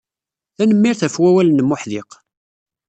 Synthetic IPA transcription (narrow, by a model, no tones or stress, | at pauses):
θænəmːiɾθæfwæwælənːəmːʊħðɪq